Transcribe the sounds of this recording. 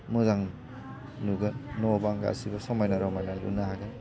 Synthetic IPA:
muzaŋ | nuɡɐnɔbaŋɡa̰ɐ̰sibɐsɔmajnaɾɔmajnalṵnaɦaɡa

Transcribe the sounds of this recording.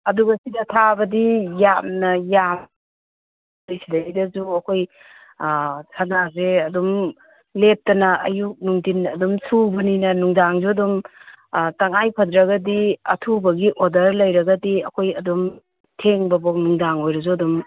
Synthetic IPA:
ɐduɡɐsidɐtʰabɐdijamnɐjam | lijsidɐɡidɐzuɐkʰoj | sʰɐnazeɐdum | lep̚tɐnɐɐjuk̚nuŋdinɐdumsʰubɐninɐnuŋdaŋzodum | tɐŋajpʰɐdɾɐɡɐdiɐtʰubɐɡiʔodɐɾlɐjɾɐɡɐdiɐkʰojɐdum | tʰeŋbɐbok̚nuŋdaŋojɾɐzoɐdum

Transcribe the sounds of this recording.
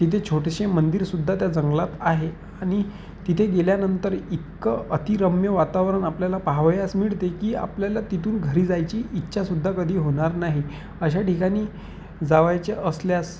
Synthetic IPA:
t̪it̪ʰet͡ɕʰoʈeɕemənd̪iːɾsud̪ʱːat̪jad͡zəŋɡlat̪aɦe | aɽ̃i | t̪it̪ʰeɡeljanənt̪əɾikːəət̪iɾəmjəʋat̪aʋɾəɳapljalapaɦʋjasmiɭt̪ekiːa̰pljalat̪it̪uːnɡʱəɾiːd͡zajt͡ɕiːit̪ːɕʰasud̪ʱːakəd̪ʱiːɦoɽ̃aɾnaɦi | əɕ̬aʈikaɽ̃iː | d͡zaʋajt͡ɕeʔəsljas

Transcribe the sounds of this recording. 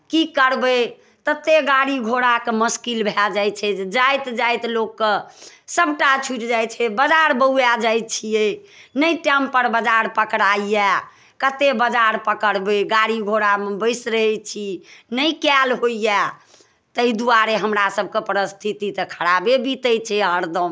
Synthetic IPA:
kikəɾbə | t̪ət̪ːeɡaɽiɡʱoɽakeməskilbʱɛd͡ʒajt͡ʃʰɛd͡ʒajt̪d͡ʒajt̪lokːesəbʈat͡ʃʰuʈd͡ʒaj̪t͡ʃʰɛbəd͡ʒaɾbəujad͡ʒajt̪̚t͡ʃʰije | nəiʈɛmpəɾbəd͡ʒaɾpəkɾaijɛ | kət̪ebəd͡ʒaɾpəkəɽbeɡaɽiɡʱoɽambəɪsɾəɦɛt͡ʃʰinəikalɦoija | t̪əid̪uaɾeɦəmɾasəb̚ʱkepəɾəst̪ʰit̪it̪əkʰəɽabebit̪əjt͡ʃʰɛəɾd̪əm

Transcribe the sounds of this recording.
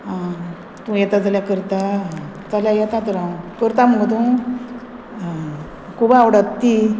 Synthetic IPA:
a | t̪ũːjet̪ad͡zaljakəɾt̪at͡saljajet̪at̪əɾãkəɾt̪am̤əɡət̪ũ | kʰubaawɽat̪t̪ːi

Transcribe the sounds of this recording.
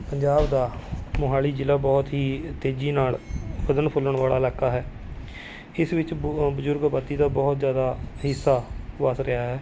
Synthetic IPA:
pəɲd͡ʒaːbd̪aːmʊɦaːɭiːd͡ʒɪlaːbɔːt̪ɦiːt̪eːd͡ʒiːnaːlbəd̪ənpʰʊlːəɳʋaːla̰ːɪlaːkaːɦɛː | ɪsʋɪt͡ʃbəzʊɾɡbat̪ːiːd̪aːbɔːt̪zjaːd̪aːɦɪsːaːʋəsɾɪaːɦɛː

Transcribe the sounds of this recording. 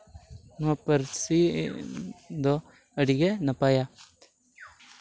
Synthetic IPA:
nũapəɾsi | d̪o | əɽiɡɛnapaːjaː

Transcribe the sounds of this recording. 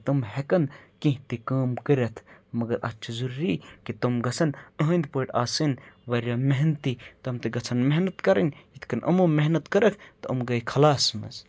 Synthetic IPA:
t̪ɐmhekɐnkĩɦt̪ikaːmkəɾʲɐt̪ʰmɐɡɐɾɐ̰t͡ʃʰɐzuɾɾikit̪ɐmɡɐt͡sʰɐnɐɦənʲd̪poːʈaːsɨnʋɐɾʲjaːmeɦnt̪it̪ɐmt̪eɡɐt͡sʰɐnmeɦnɐt̪kɐɾɐnʲit̪ʰkɐnʔɐ̰mumeɦnɐt̪kɐɾɐkʰt̪ɐɐmɡɐikʰɐlaːsmɐ̰z

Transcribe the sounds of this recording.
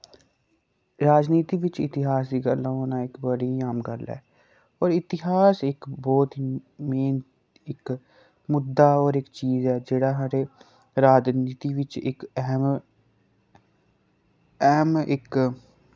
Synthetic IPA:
ɾaːd͡ʒniːt̪iːʋɪt͡ʃɪ̰t̪ɪɦaːsd̪iːɡəlãːoːnãːɪkbəɽiːaːmɡəlɛ̰ː | ɔːɾɪt̪ɪɦaːsɪkbɔːt̪ɦimeːn | ɪk | mʊd̪ːaːɔːɾɪkt͡ʃiːzɛːd͡ʒeːɽaːɦaɾeː | ɾaːd͡ʒniːt̪iːʋɪt͡ʃɪkɦ | ɛɦəmɪ̰k

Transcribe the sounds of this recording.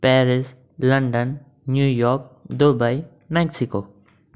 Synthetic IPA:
pɛːɾɪs | lɐ̃ɳɖənː | juːjɔːɾk̚d̪obai | mɛksɪkoː

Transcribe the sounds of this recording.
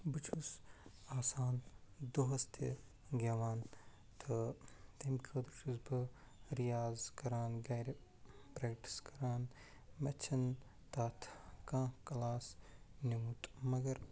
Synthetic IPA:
bɨt͡ʃʰusaːsaːnd̪oɦɐst̪ḛ | ɡeʋaːn | t̪ʰɨt̪ɐmkʰiɐd̪ɾt͡ʃʰusbɨ | ɾijaːzkɐɾaːnɡɐːɾpɾeːkʈi̥skɐɾaːn | mɐt͡ʃʰɐn | t̪aːt̪ʰkãːkɐlaːsnimut̪mɐɡɐɾ

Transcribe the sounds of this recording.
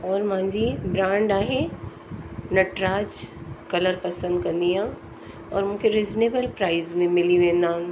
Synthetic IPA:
ɔːɾmʊ̃ɦɪ̃ɲd͡ʑibɾãːɳɖaːɦe | nɐʈɾaːd͡ʑkɐləɾpɐsə̃nd̪kɐ̃nd̪iɦã | ɔːɾmũːkʰeɾeːzneːbəlpɾaːɪzmẽmɪliʋẽːnd̪aːɦʊ̃

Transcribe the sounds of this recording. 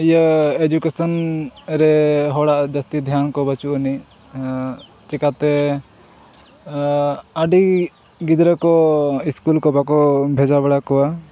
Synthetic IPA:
ijəed͡ʒukesənɾɛɦɔɽaʔd͡ʒəst̪id̪ʱjankɔbət͡ʃuʔəni | t͡ʃikat̪ɛ | aɖi | ɡid̪ɾəkɔiskulkɔbakɔbʱɛd͡ʒabɛɽakɔwa

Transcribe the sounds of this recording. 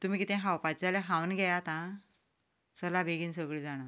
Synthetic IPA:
t̪um̤iːkit̪ʰɛ̃ɦawpad͡zaleɦãwnɡʱajat̪ã | səlabʱeɡiːnsəɡɭiːd͡zaɽ̃ə

